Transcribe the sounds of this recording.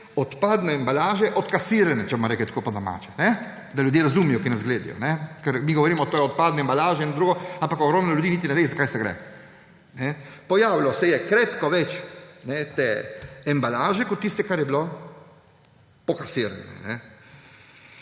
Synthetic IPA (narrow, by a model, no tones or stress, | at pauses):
ɔt̪paːd̪nɛːmbalaːʒɛʔɔt̪kasiːɾɛnɛt͡ʃɛbomɾɛːklit̪koːpɔd̪ɔma̰ːt͡ʃɛ̥nɛ | d̪aljud̪jeːɾazumijɔkinɛzɡleːd̪ḭjɔ̰nɛkɛɾmiɡɔʋoɾiːmɔt̪oːjɔt̪̚paːd̪nɛmbalaːʒɛind̪ɾuːɡɔãmpakɔɡɾɔːmnɔljud̪iːnit̪inɛʋejzakaːjsɛɡɾɛ̰ | nɛpɔjaːʋilɔsɛjɛkɾeːt̪kɔʋɛt͡ʃnɛt̪eːmbalaːʒɛkɔt̪ːist̪ɛkaɾjɛbilo | pɔkasiɾɛ̰nɛ̰nɛ